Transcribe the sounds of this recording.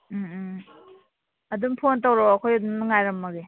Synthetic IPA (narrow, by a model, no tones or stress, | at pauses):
m̩ | ɐdumpʰontawɾowɐkʰojɐdumnɐŋajɾɐmːɐɡe